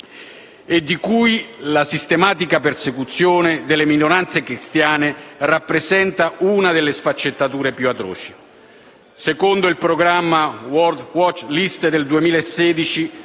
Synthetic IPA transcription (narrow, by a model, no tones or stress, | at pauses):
ed̪ːikujlasist̪emaːt̪ikapersekut̪sːjoːned̪elːeminoɾant̪sekɾist̪jaːnerapːɾezɛnt̪aunad̪elːesfat͡ʃːet̪ːat̪uːɾepjuat̪ɾɔ̰ːt͡ʃi̥ | sekond̪oilpɾoɡɾamːawɔrd̪wɔt͡ʃlist̪d̪eld̪uemiːlaesːɛːd̪it͡ʃi